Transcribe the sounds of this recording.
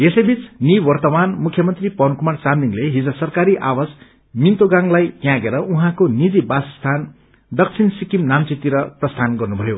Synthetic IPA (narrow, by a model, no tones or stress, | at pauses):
esejbit͡sniwʌrt̪ʌmanmukʰjʌmʌnt̪ripʌnkumart͡samliŋleɦid͡zʌsʌrkaɾiʔawas | mint̪oɡãŋlajt̪jãɡeɾʌʔuɦãkonid̪ibasst̪ʰan | d̪ʌk̚t͡sʰinsikimnamt͡sit̪iɾʌprʌst̪ʰanɡʌrnubʱʌjo